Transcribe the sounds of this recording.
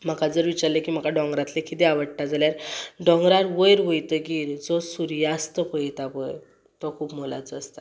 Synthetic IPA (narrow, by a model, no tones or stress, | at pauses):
m̤əkad͡zəɾʋit͡ɕaɾlekiːm̤əkaɖɔ̃ŋɡɾat̪lekʰit̪eaʋəɽʈad͡zaljaɾɖɔ̃ŋɡɾaɾʋəjɾʋəjt̪əɡiːɾd͡zɔsuɾjast̪əpəɦit̪apəj | t̪ɔkʰuːpmola̰t͡səst̪a̰